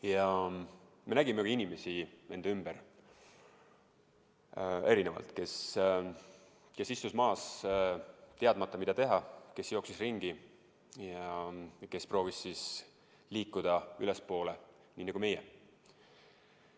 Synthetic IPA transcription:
jɑ | me̞næɡ̥imekɑinime̞sie̞nd̪̥ymb̥eɾ | e̞ɾinevɑ̰lt̪ke̞s | kesist̪usmɑːs | t̪eɑd̪̥̚mɑt̪ːˑɑmid̪̥ɑt̪e̞ɦɑke̞sjo̞ksisriŋɡ̥i | jɑke̞spro̞ːvisːis | liːkːˑud̪̥ɑylespo̞ːle | niːnɑɡume̞jḛ

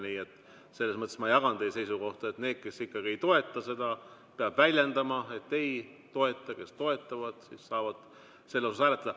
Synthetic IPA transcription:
niːe̞t̪ːˑ | selːesmɤt̪ːˑesmɑjɑɡ̥ɑnt̪ejse̞jsuko̞ht̪ɑet̪ne̞ːd̪̥̚ke̞sikːɑɡ̥ie̞jt̪o̞e̞t̪ˑːɑse̞d̪̥ɑ | peɑb̥vælʲjend̪ɑmɑe̞t̪ːe̞j | t̪o̞e̞t̪ˑːɑke̞st̪o̞e̞t̪ːˑɑvɑd̪̥sisːɑːvɑd̪̥ | selːosusæːle̞t̪ːˑɑd̪̥ɑ

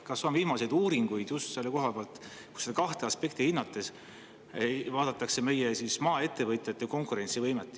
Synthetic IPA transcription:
kɑsːo̞nviːmɑse̞jd̪̥uːɾiŋɡ̥ujd̪̥just̪se̞lːeko̞ɦɑpeɑlt̪ | kused̪kɑht̪eɑspe̞k̚t̪ihinːɑt̪ːˑes | vɑːd̪̥ɑt̪ːˑɑkse̞me̞jesismɑːe̞t̪ːˑe̞vɤjt̪ʲˑjɑt̪ːˑeko̞ŋkuɾe̞nʲsivɤjmet̪ːˑ

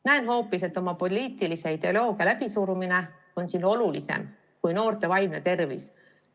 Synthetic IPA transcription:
næenɦo̞ːpːise̞t̪ːˑo̞mɑpo̞liːt̪ˑilise̞id̪e̞olo̞ːɡ̥iɑlæb̥isuɾumine̞ | o̞nsino̞lulise̞̰m | kujno̞ːrt̪e̞vɑjmnet̪e̞rvḭs

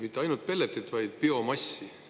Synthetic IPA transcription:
mit̪ːeɑjnult̪̚pe̞lːet̪ːˑet̪vɑjd̪̥̚peo̞mɑsːi

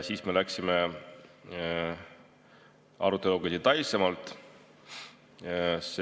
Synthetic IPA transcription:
siːsme̞læksime̞ | ɑ̰ɾut̪ːˑe̞luɡ̥ɑsit̪ɑjsemɑlt̪ˑ | s

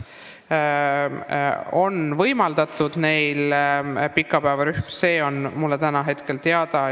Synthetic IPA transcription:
o̞nvɤjmɑld̪̥ɑt̪ːˑud̪̥ne̞jlpikːˑɑpæevɑɾyhmse̞ːo̞nmulːe̞t̪ænɑɦe̞t̪ke̞lt̪eɑd̪ɑ

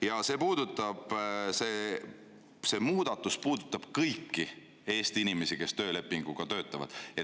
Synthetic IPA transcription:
jɑse̞puːd̪̥ut̪ˑːɑb̥seː | se̞ːmuːd̪̥ɑt̪ːˑuspuːd̪̥ut̪ːˑɑb̥kɤjkːi | e̞ːst̪iinime̞sike̞st̪ø̞ːle̞pːˑiŋɡ̥uɡ̥ɑt̪ø̞ːt̪ˑːɑvɑ̰d̪̥e

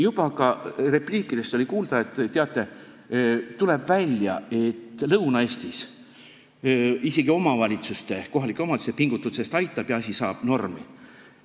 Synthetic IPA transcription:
jub̥ɑkɑre̞pliːkːˑid̪̥e̞st̪o̞lʲikuːld̪̥ɑe̞t̪ːˑt̪eɑt̪ːˑe̞ | t̪ːule̞bvælʲjɑ̰e̞t̪ːlɤwnɑe̞ːsʲt̪is | ise̞ɡio̞mɑvɑlʲit̪sust̪e̞ko̞ɦɑlikːˑeomɑd̪u̥sepiŋɡut̪ːˑuse̞st̪ɑjt̪ːˑɑb̥jɑɑsʲisɑ̰ːb̥no̞rmḭ

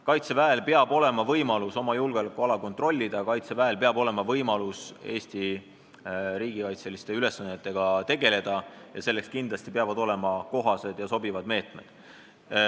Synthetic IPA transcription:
kɑjt̪se̞væelpeɑbo̞le̞mɑvɤjmɑluso̞mɑjulɡ̥elekːˑuɑlɑko̞nt̪ro̞lʲːid̪̥ɑkɑjt̪se̞væelpeɑbo̞le̞mɑvɤjmɑluse̞ːsʲt̪i | ɾiːɡ̥ikɑjt̪se̞list̪e̞yle̞sːɑnːet̪ːˑe̞ɡ̥ɑt̪e̞ɡe̞le̞d̪̥ɑjɑse̞lːe̞kskind̪lɑst̪ipeɑvɑd̪o̞le̞mɑko̞ɦɑse̞d̪̥jɑso̞bivɑd̪me̞ːt̪me̞̰d̪̥

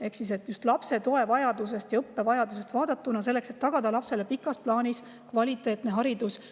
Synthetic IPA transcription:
e̞ksise̞t̪ːˑjust̪lɑpse̞t̪o̞e̞vɑjɑd̪̥us̬e̞st̪jɑɤpːe̞vɑjɑd̪̥us̬e̞st̪vɑːd̪̥ɑt̪ːˑunɑs̬e̞lːe̞kset̪ːɑɡ̥ɑd̪̥ɑlɑpse̞le̞pikːˑɑsplɑːnis | kvɑlʲit̪ːˑe̞ːt̪ne̞ɦɑɾid̪̥us

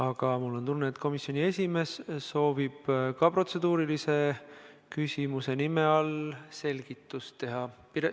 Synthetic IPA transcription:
ɑɡ̥ɑmulːo̞nt̪unːeːt̪ko̞misːˑjo̞nʲie̞sʲime̞sso̞ːvib̥kɑpro̞t̪se̞d̪̥uːɾilise̞ | kysʲimuse̞nime̞ɑlse̞lʲɡ̥it̪ːˑustt̪e̞ɦɑpiɾe

